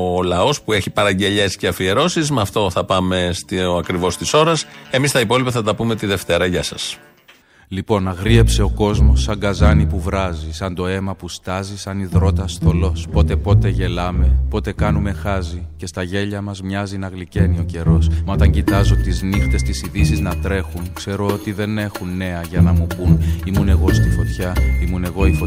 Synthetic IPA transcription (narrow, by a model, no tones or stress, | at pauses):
olɐo̞spue̞çipɐɾɐɲɟe̞ʎe̞sceɐfieɾo̞sizmɐft̪o̞θɐpɐme̞st̪iɐkɾivo̞st̪iso̞ɾɐse̞mist̪ɐipo̞lipɐθɐt̪ɐpumet̪iðe̞ft̪e̞ɾɐʝɐsɐs | lipo̞nɐɣɾie̞pse̞o̞ko̞zmo̞sːɐŋɡɐzɐnipuvɾɐzisɐnd̪o̞e̞mɐpust̪ɐzisɐniðɾo̞t̪ɐst̪o̞lo̞spo̞t̪e̞po̞t̪e̞ʝe̞lɐme̞po̞t̪e̞kɐnume̞xɐzice̞st̪ɐʝe̞ʎɐmɐzmɲɐzinɐɣlice̞nio̞ce̞ɾo̞smɐt̪ɐɲɟit̪ɐzot̪iznixt̪e̞st̪isiðisiznɐt̪ɾe̞xuŋkse̞ɾo̞ot̪iðe̞ne̞xunːe̞ɐʝɐnɐmupunimune̞ɣo̞st̪ifo̞t̪çɐimune̞ɣo̞ifo